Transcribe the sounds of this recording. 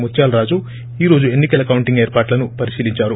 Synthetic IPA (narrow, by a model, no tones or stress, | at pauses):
mut̪ːjaːlɾaːd͡ʒu | iːɾo̞ːd͡ʒue̞nːikɐlɐkɐwuɳʈiŋɡeːɾpaːʈlɐnupɐɾisiːliɲt͡ʃaːɾu